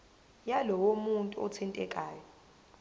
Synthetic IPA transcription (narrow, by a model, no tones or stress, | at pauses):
jalɔwomuntʼuɔ̰t͡sʰintʼɛkʼaːjɔ